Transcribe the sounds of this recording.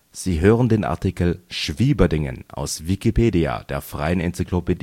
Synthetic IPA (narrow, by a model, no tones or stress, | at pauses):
z̥iːɦøːʁəndeːnʔa̰ɐtʰikl̩ʃv̥iːbɐdɪŋə̰nʔa̰ʊsvikipʰeːdia̰d̥eːɐfʁ̥aɪənɛnt͡sikʰlopedi